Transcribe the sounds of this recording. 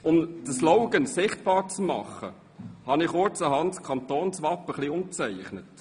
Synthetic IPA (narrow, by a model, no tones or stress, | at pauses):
ʊmd̥̪əslɔʊɡənsɪχt̚b̥ɑːɾt͡smɑ̰χːə̰ | hɑnɪχoɾt͡səhɑntskʰɑnt̪oːnsʋɑpːəχliʊmt͡sɛɪχnət